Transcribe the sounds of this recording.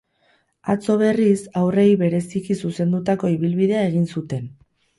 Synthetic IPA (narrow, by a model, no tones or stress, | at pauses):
at͡so̞β̞e̞risawre̞jβe̞ɾe̞sikisuse̞nd̪ut̪ako̞iβilβiðe̞ae̞ɣinsut̪e̞n